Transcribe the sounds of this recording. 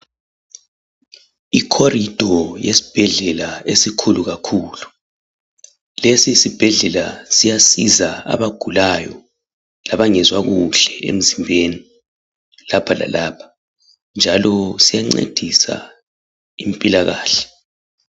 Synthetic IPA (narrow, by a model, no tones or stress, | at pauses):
ikʰorid̥ʱɔjesi̥b̥ʱɛɮɛlaesikʰuluɣakʰuːlu | lesisib̥ʱɛɮɛla̰sijasizaa̰βaɡ̥ʱulajɔ | laβaŋɛzwaɣuɬɛḛm̩zimbʱeni | lapʰala̰laːpʰḁ | nd͡ʒʱalɔsijaŋ͡ǀḛd̥ʱisa̰ | im̩pʼilaɣaːɬɛ̥